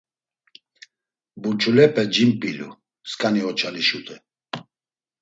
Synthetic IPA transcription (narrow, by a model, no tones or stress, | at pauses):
bunt͡ʃʰulɛpʼɛd͡ʒimpʼilṵ | skʼaniɔt͡ʃʰaliʃut̪ʰʼɛ